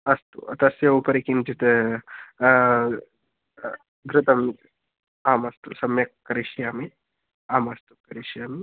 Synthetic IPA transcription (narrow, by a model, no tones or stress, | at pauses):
ɐst̪ṵɐt̪ɐsjɐupɐɾikint͡ʃit̪ | ɡɾɪt̪ɐmit̪ | aːmɐst̪usɐmjɐkːkːɐɾiʃijaːmi | aːmɐst̪ukɐɾiʃijaːmi